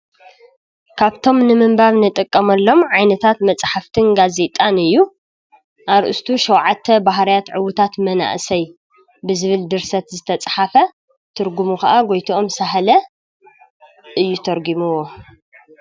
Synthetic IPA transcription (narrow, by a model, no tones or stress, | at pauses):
kʰaβt̪ʰo̞mnɨmɨmbaβnɨt̪ʼɨkʼːɐmɐlːo̞mʕajnɐt̪ʰat̪mɐt͡sʼħaft̪ʰɨnɡaze̞t̪ʼanɨjːu | ʔaɾʔɨ̰st̪ʰuʃɐwʕat̪ʰːɐbaɦɾijat̪ʕɨwʊt̪ʰat̪mɐna̰ʔsɐj | bɨzɨβɨld̪ɨɾsɐt̪zɨt̪ʰɐt͡sʼħafɐ | t̪ʰɨɾɡumukɐʔaɡojt̪ʰiʔo̞msaħlɐ | ʔɨjːut̪ʰɐɾɡimɨwo